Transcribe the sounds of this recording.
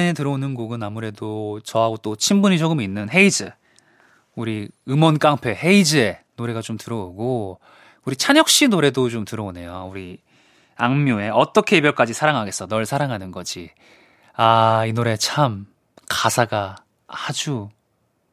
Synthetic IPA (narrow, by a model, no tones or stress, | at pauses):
etɯɾʌonɯnɡoɡɯnamuɾe̞dot͡ɕʌɦaɡot͈ot͡ɕʰimbuɲit͡ɕoɡɯminːɯnɦe̞id͡ʑɯ | uɾiɯmʌnk͈aŋpʰe̞ɦe̞id͡ʑɯenoɾe̞ɡat͡ɕomtɯɾʌoɡo | uɾit͡ɕʰaɲjʌk̚ɕ͈inoɾe̞dot͡ɕomtɯɾʌone̞jouɾi | aŋmjoe̞ʌt͈ʌkʰe̞ːbjʌɭk͈ad͡ʑisʰaɾaŋɦaɡe̞s͈ʌnʌɭsʰaɾaŋɦanɯnɡʌd͡ʑi | ainoɾe̞t͡ɕʰam | kasʰaɡa | ad͡ʑu